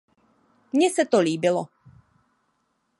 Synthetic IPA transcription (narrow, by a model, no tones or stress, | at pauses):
mɲɛsɛt̪oliːbɪlɔ